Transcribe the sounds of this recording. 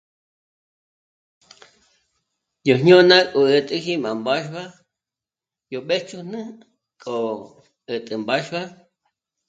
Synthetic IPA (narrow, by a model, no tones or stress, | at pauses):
joɦɲonakʼoət̪ʼɨximambaʃβa | joɓeht͡ʃunɨ | kʼo | ət̪ʼɨmbaʃba